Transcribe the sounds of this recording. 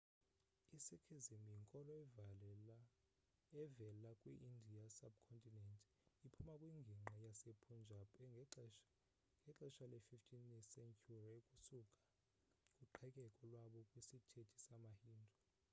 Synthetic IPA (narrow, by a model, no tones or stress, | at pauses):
isekʰizimijiŋkʼɔlɔ | ɛvɛlakʼwiʔindʱiasab̚kʰɔntʼinɛntʼ | ipʰumakʼwiŋɡʱiŋ͡ǃʱajasepʰund͡ʒʱapʰʼ | ŋɡʱɛǁɛʃalɛfiftʰʼinisɛŋkʰʼurikʼusukʼḁ | kʼuǃʰɛkʼɛkʼɔlwaɓɔkʼwisitʰetʰi̥samahiːndʱɔ